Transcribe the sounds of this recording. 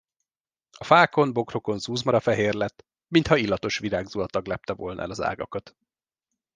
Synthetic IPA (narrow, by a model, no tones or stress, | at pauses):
ɒfaːko̞nbo̞kro̞ko̞nzuːzmɒɾɒfɛɦeːrlɛt̪ː | mint̪hɒilːɒt̪o̞ʃʋiɾaːɡzuɒt̪ɒɡlɛp̚t̪ɛvo̞lnɒ̰ʔɛ̰lɒza̰ːɡɒkɒt̪